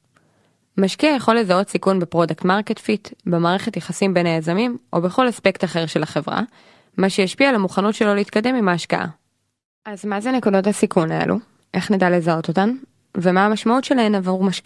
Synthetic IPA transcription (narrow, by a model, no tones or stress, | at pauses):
maʃkiajaχo̞lːe̞zao̞tsikunbepʁo̞daktmaʁketfitbemaːʁe̞χe̞tjaχasimbe̞najazamimʔo̞be̞χo̞laspe̞ktaχe̞ʁʃe̞laχe̞vʁa̰ | maʃejaʃpialamuχanutʃelo̞liiːt̪kade̞mimaːʃka̰ʔa̰ | ʔazmazene̞kudo̞thasikʰunae̞̰lʔṵ | ʔe̞χnedale̞zao̞t̪o̞t̪an | vemaːmaʃmautʃe̞lae̞navaʁmaʃki